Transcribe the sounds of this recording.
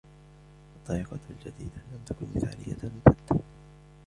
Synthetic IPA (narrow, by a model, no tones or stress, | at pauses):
ʔɑt̪ˤːɑːʔɪqɑld͡ʒad̪iːd̪alamt̪akʊnmɪθʕa̰ːlɪja̰tmʊθad̪a